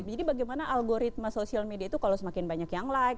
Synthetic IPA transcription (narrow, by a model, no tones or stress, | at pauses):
d͡ʒadibaɡajmanaʔalɡoɾit̪̚masosialmediait̪ukalowsəmakɪnbaɲakjaŋlajk